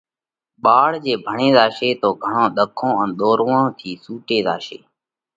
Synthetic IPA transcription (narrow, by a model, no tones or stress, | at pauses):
ɓaːɽd͡ʒeːbʱəɳẽːd̪aːʃeːt̪oːɡʱəɳõːɗ̪əkʰːõːə̃nɗ̪oːɾʋõːt̪ʰiːsuːʈeːd̪a̰ːʃeː